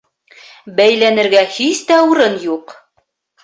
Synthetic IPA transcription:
bæjlænɘ̆ɾɡæhist̪æuɾɤnjuq

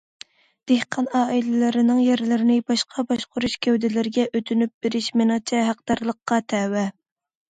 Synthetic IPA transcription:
d̪̥ehqʰɑnɑːilɪlɪɾɪnɪŋjeɾlɪɾɪnɪbɑʃqʰɑbɑʃqʰʊɾuʃkʲʰæwd̪ɪlɪɾɪɡʲɛʔøt̪ʰynyp̚b̥eɾɪʃmɪnɪŋt͡ʃʰɛɦæqd̪ɑɾlˠəqːɑt̪ʰɛwɛ

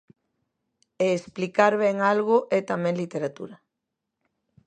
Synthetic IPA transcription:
eːsplikaɾβɛŋalɣʊʔɛt̪amɛ̃ŋlit̪eɾat̪ṵɾa

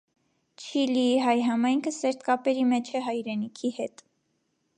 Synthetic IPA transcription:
t͡ʃʰiliiɦɑjɦɑmɑjŋkʰəsɛɾt̪kɑpɛɾimɛt͡ʃʰɛɦɑjɾɛnikʰihɛt̪

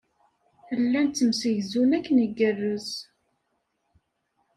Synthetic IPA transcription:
θəlːænt̪t͡s̪ːəmsəʝzunækːnəɡərːəz

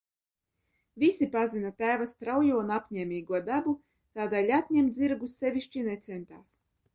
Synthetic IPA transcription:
vʲisʲipazinat̪æːvast̪ɾawjuɔunapʲɲʲɛːmʲiːɡuɔd̪abu | t̪aːd̪alʲat̪ʲɲʲɛmd̪ziɾɡusːɛvʲiʃʲt͡ʃinɛt̪sɛnt̪aːs

